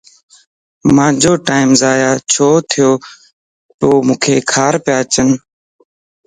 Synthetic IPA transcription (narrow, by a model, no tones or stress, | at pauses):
mãːd͡ʒoːʈaːɪmzaːjaːt͡ʃʰoːt̪ʰɪjoː | t̪oːmũːkʰeːkʰaːɾpɪjaːt͡ʃən